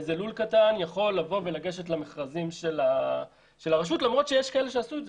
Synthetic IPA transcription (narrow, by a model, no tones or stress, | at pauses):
zelulkatanjaχo̞lːavo̞ve̞laɡe̞ʃet̬lameχʁazimʃela | ʃelaʁaʃ̬utlamʁo̞t̪ʃejeʃkaeleʃeasuez